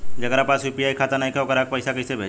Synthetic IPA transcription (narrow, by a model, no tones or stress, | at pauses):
d͡ʒɐkɾapaːsjuːpiaːikʰaːt̪ənaikʰeokəɾak̚pəɪsakɐsebʱeːd͡ʒ